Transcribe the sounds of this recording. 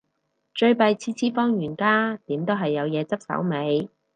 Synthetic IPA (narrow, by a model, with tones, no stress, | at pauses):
t͡ʃɵ˧ɥpɐ˧jt͡sʰiː˧˥t͡sʰiː˥fɔː˥ŋjyː˨˩nkaː˥t̪iː˨˥mt̪o˥wɦɐ˨jːɐ˨˧wjɛː˨˧t͡sɐ˥p̚sɐ̰˨˥wme˨˧j